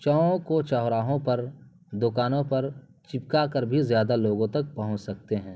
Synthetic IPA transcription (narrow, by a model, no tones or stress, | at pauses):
t͡ʃɔõkot͡ʃɔːɦɾaːɦõpɐɾ | d̪ʊkaːnõpɐɾ | t͡ʃɪpkakəɾbʱizjaːd̪aloːɡõt̪ɐk̚pɐɦʊ̃t͡ʃsɐk̚t̪eɦɛ̃ː